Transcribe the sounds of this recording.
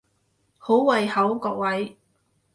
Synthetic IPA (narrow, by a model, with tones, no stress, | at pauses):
ho˨˥wwɐ˨˧jhɐ˨˥wkɔː˧k̚wɐ˨˥j